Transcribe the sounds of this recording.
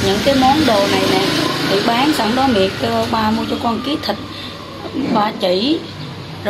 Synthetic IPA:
ɲɨ̰˧˥ŋkaː˨˦jmɔ˨˦nɗo˨˩na˨˩jnɛː˨˩t̪ʰi˨˩ɓaː˨˦ŋsə˧˦ŋɗɔ˨˦mi˨ək̚ːɓaː˧mu˧ət͡ɕɔː˧kɔ˧nki˨˦t̪ʰi˨˩t̚ | vaː˨˩t͡ɕi˧˩˦ | zo˩

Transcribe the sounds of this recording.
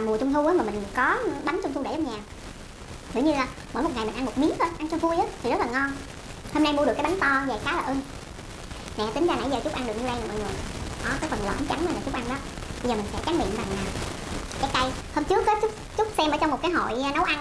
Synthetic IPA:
aː˨˩mu˨˩ət͡ɕʊ˧ŋ͡mt̪ʰu˧ʔaː˨˦maː˨˩mï˨˩ŋ̟kɔ˨˦ɓa˨˦ŋ̟t͡ɕʊ˧ŋ͡mt̪ʰu˧ɗe˧˩zə˧˩ɲaː˨˩w | zḭ˧˩əɲɨ˧laː˨˩ | ɓəː˧˩jmo˨˩t̚ŋa˨˩mï˨˩ŋ̟ʔa˧mo˨˩t̚mi˨˦ək̚ə˧ʔa˧nt͡ɕʊ˧ŋ͡mvu˧jʔəː˨˦t̪ʰi˨˩zt̚laː˨˩ŋɔ˧n | ho˧mna˧jmu˧ɗkːjɓa˨˦ŋt̪ɔ˧zəː˨˩kaː˨˦laː˨˩ʔɨ˧ | nɛ̰˧˨t̪ï˨˦ŋ̟zaː˧na̰˧˩jzəː˨˩t͡ɕʊ˦˥k͡p̚ʔa˧nɗək̚ɲɨ˧ɗa˧jnaː˨mə̰ː˧˨jŋɨ˨˩əkɔ˨˦kaː˨˦jfə˨˩nlə̰˧˨˩t͡ɕa˨˦ŋə˧˦ɲaː˨˩t͡ɕʊ˦˥k͡p̚ʔa˧nɗɔ˨˦ɓə˧jzəː˨˩mi̟˨˩sɛ̰˧˥t͡ɕaː˨˦ɓḭ˧˨əmva̰ː˨˩ŋnaː˨˩w | kaː˨˦˥k̪a˧j | hoː˧mt͡ɕɨ˦˥ək̚ːt͡ɕʊ˦˥k͡p | t͡ɕʊ˦˥k͡p̚sɛ˧mʔəː˧˦t͡ɕŋ͡mmo˨˩t̚kaː˨˦jɦo̰˧˨jnə˨˦wʔa˧n

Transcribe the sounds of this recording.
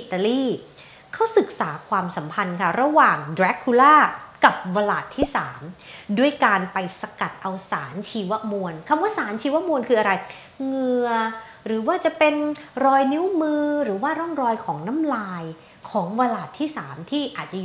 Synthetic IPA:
ʔi˨˧˩t̪ːa˧liː˥˩ | kʰa˨˦˥wsɯ˨˩k̚saː˩˦kʰwaː˧msa˩˦mpʰa˧nkʰa˦˥˩ɾa˧waː˨˩ŋdɾɛ˦˥kʰːu˧laː˥˩ka˨˩p̚wa˧laː˨˩t̪ʰːiː˥˩saː˩˦mdu˥˩əjkaː˧npa˧jsa˧ka˨˩t̪̚ʔa˧wsaː˩˦nt͡ɕʰiː˧wa˦˥mu˧ənkʰa˧mwaː˥˩saː˩˦nt͡ɕʰiː˧wa˦˥mu˧ənkʰɯː˧ʔa˧ɾa˧j | ŋɯ˧ɐ | ɾɯː˩˦waː˥˩t͡ɕa˨˩pe˧nɾɔː˧jni˦˥wmɯː˧ɾɯː˨˩˦waː˥˩ɾɔ˥˩ŋɾɔː˧jkʰɔː˩˦ŋna˦˥mlaː˧j | kʰɔː˩˦ŋwa˧laː˨˩t̪ʰːiː˥˩saː˩˦mt̪ʰiː˥˩ʔaː˨˩t̪̚t͡ɕa˨˩ju˨˩

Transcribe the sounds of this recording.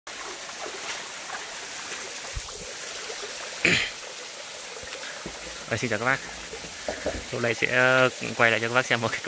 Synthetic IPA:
əː˧˩si˧ɲt͡ɕaː˨˩ka˦˥ɓaː˦˥k̚ | to̰˧˩lə˧˨jsɛ̰˧˥kwa˧˩jla̰˧˨jt͡ɕɔ˧kːɓaː˥sɛ˧mːo˨˩t̚ka˨˦k

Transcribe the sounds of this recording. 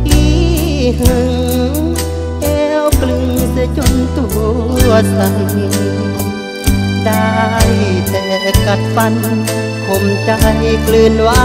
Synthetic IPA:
ʔi˧˩ | hɯ˧ŋ | ʔɛ˧wklɯ˧ŋsɛ˧t͡ɕo˧nt̪u˧˩˧ | əsa˧˩ŋ˧ | da˧jt̪ɛ˧˩ka˧˩t̪̚pa˧n | kʰo˧mt͡ɕa˧jklɯ˧nwa˧˥

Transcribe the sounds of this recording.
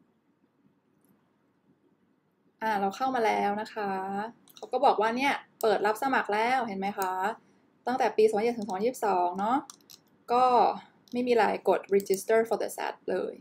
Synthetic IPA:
ʔaː˨˩ɾa˧wkʰa˥˩wmaː˧lɛː˦˥wna˦˥kʰa˦˥ | kʰa˦˥wkɔː˥˩bɔː˨˩k̚waː˥˩ni˥˩ɐpɤː˨˩t̪̚ɾa˦˥p̚sa˧ma˨˩k̚lɛː˦˥˩whe˨˩˦nma˦˥jkʰa˦˥ | t̪a˥˩ŋt̪ɛː˨˩piː˧sɔ˨˩˦a˦˥e˨˩t̪ʰːsːiː˥˨˩p̚sɔː˩˦ŋnɔ˦˥ʔ | kɔː˥˩ | ma˥˩jmiː˧la̰ː˩˦jko˨˩t̪̚ɾe˧t͡ɕi˦˥st̪ɤː˥˩fɔː˧d̪ə̰˧sɛ̰˦˥t̪̚lɤ̰ː˧j

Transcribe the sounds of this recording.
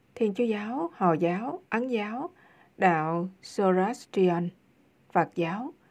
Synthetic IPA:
t̪ʰi˧ənt͡ɕu˨˦zaː˨˦whɔ̰˧˩zaː˨˦wʔa˨˦nzaː˨˦w | ɗa̰ː˧˨wso˧za˦˥st͡ɕi˧a˧n | faː˨˩t̚zaː˨˦w

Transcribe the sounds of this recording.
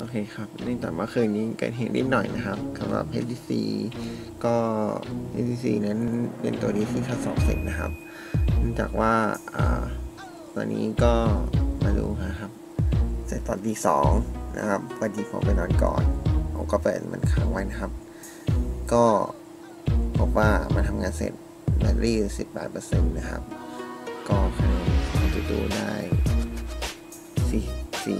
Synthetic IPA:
ʔoː˧˩kʰeː˧xʰa˦˥p̚na˥˩ŋt͡ɕaː˨˩maː˧˩kʰɯː˧˩ni˧˥˩kɤ̰ː˨˩t̪̚ɦe˨˧˩nʔḭ˦˧˩t̪̚nɔ˨˩jna˦˥xʰa˦˥p̚kʰa˧˩wa̰ː˧˥˩pʰe˦˥t̚d̪iː˧˩sḭː˧ | kɔː˥˩pʰḛ˦˥iː˧siː˧˩na˦˥nnpe˧nt̪u˧ɐdiː˧˥t̪ʰiː˥˩t̪ʰa˦˥sɔ̰ː˨˦ŋse˧˩t̪̚na˦˧kʰa̰˦˥p̚ | nɯ˥˩ŋt͡ɕaː˨˩k̚waː˥˩ʔa̰ː˨˩ | t̪ɔ̰ː˧nːḭː˦˥kɔː˥˩maː˧dṵː˧ma˧˥kʰa˦˥p̚ | sɛ˧˩t̪ɔː˧nt̪iː˧˩sɔː˩˦ŋna̰˧kʰa˦˥p̚wa˧nt̪ʰiː˧pʰɔ̰˧˩pa˧jnɔː˧nkɔ̰ː˨˩nʔa̰˧wkɔː˥˩pɤː˨˩t̪̚ma̰˧nkʰaː˩˦ŋwa˧jna˦˧kʰa˦˥p̚ | kɔː˥˩ | pʰo˦˥p̚waː˥˩ma˧nt̪ʰa˧mŋaː˧nsḛ˨˩t̪̚ | na˧nɾiː˥˩si˨˩pːɛ̰ː˨˩t̪̚pːɤː˧se˧nːa˦˧kʰa̰˦˥p̚ | kɔː˥˩kʰa˧na˧kʰa˧˩ta˧duː˧daː˥˩j | si˨˩sḭ˨˩

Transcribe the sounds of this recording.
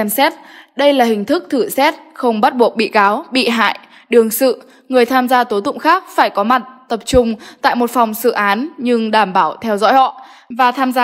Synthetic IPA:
ɛ˧msɛ˦˥t̚ɗə˧jlaː˨˩hï˨˩ŋ̟t̪ʰɨ˦˥k̚t̪ʰɨ˧˩sɛ˦˥t̚xə˧wŋ͡mɓa˦˥t̚ɓu˨˩ək̚ɓḭ˧˨kaː˨˦wɓḭ˧˨ɦa̰ː˧˨j | ɗɨ˨˩əŋsɨ̰˧˨ | ŋɨ˨˩əjt̪ʰaː˧mzaː˧t̪o˨˦t̪ʊ̰˧˨ŋ͡mxaː˦˥k̚faː˧˩jkɔ˨˦ma˨˩t̚t̪ə˨˩p̚t͡ɕʊ˧˩ŋ͡mt̪a̰ː˧˨jmo˨˩t̚fɔ˨˩wŋ͡msɨ̰˧˨ʔaː˨˦nɲɨ˧ŋɗaː˧˩mɓaː˧˩wt̪ʰɛ˧wzɔ̰˧˥jhɔ̰˧˨ | vaː˨˩t̪ʰaː˧mza˧

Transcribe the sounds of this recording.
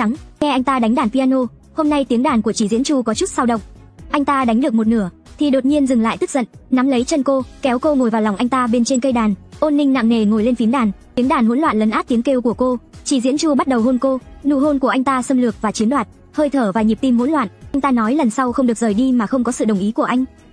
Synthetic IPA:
ŋŋɛ˧ʔa˧jŋ̟t̪aː˧ɗa˨˦jŋ̟ɗaː˧˩npaː˧no˧ | ho˧mna˧jt̪i˨˦əŋɗaː˧˩nku˧˩ət͡ɕi˧˩zḭ˧˥ənt͡ɕu˧kɔ˨˦t͡ɕu˦˥t̚saː˧wɗə̰˧˨wŋ͡m | ʔa˧jŋ̟t̪aː˧ɗa˨˦jŋ̟ɗɨ˨˩ək̚mo˨˩t̚nɨ˧˩ə | t̪ʰi˨˩ɗo˨˩t̚ɲi˧ənzɨ˨˩ŋla̰ː˧˨jt̪ɨ˦˥k̚zə̰˧˨nna˨˦mlə˨˦jt͡ɕə˧nko˧kɛ˨˦wko˧ŋo˨˩jvaː˨˩wla˨˩wʔa˧jŋ̟t̪aː˧ɓe˧nt͡ɕe˧nkə˧jɗaː˨˩nʔo˧nːï˧ŋ̟na̰ː˧˨ŋne˨˩ŋo˨˩jle˧nfi˨˦nɗaː˨˩nt̪i˨˦əŋɗaː˨˩nhu˧˥nlwa̰ː˧˨nlə˨˦nʔaː˦˥t̪i˨˦əŋke˧wku˧˩əko˧t͡ɕi˧˩zḭ˧˥nt͡ɕu˧ɓa˦˥t̚ɗə˨˩who˧nko˧nṵ˧˨ɦo˧nku˧˩əʔa˧jŋ̟t̪aː˧sə˧mlɨ˨˩ək̚vaː˨˩t͡ɕi˨˦əɗlwaː˨˩t̚ | həː˧jt̪ʰəː˧˩vaː˨˩ɲi˨˩p̚t̪i˧mhṵ˧˥nlwa̰ː˧˨nʔa˧jŋ̟t̪aː˧nɔ˨˦jlə˨˩nsa˧wxə˧wŋ͡mɗɨ˨˩ək̚zəː˨˩jɗi˧maː˨˩xə˧wŋ͡mkɔ˨˦sɨ̰˧˨ɗə˨˩wŋ͡mʔi˨˦ku˧˩əʔa˧jŋ̟

